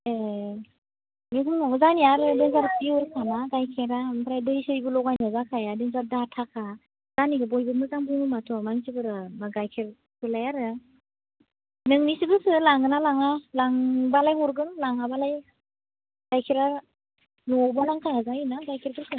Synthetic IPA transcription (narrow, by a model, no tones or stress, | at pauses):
e | mekʰɯmnɔmɯzaniaɾɯdɯŋzaɾpiuɾkʰanaɡajkʰeɾampʰɾajdɯjsɯjbɯlɔɡajnɯzakʰajadɯŋzaɾdatʰakʰa | z̥aniɡɯbɔjbɯɾmɯzaŋbɯnɯmatʰɔmaŋsibɯɾɯmaɡajkʰeɾ | kʰɯlajaɾɯ | nɯŋnisibɯsɯlaŋɯnalaŋalaŋbalajɦɔɾɡɯnlaŋabalaj | ɡ̥ajkʰeɾa | nɔbɯlaŋkʰaazainaɡajkʰeɾkʰɯɾkʰɯ